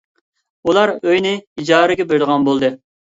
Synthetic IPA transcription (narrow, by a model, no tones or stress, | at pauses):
ulˠɑɾøjnɪid͡ʒɑːɾɨɡʲɛbeɾd̪əʁɑnbolˠd̪ɨ